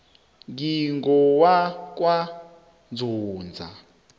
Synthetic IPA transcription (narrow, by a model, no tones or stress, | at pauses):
ŋɡiŋɡɔwakwa | nd͡zuːnd͡zʱa̰